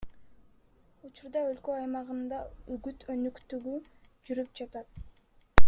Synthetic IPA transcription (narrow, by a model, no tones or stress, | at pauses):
ut͡ʃuɾd̪ɑø̞lkøɑjmɑʁɯnd̪ɑyɡyt̪ʰø̞nykt̪yɡyd͡ʒyɾyp̚d͡ʒɑt̪ɑt̪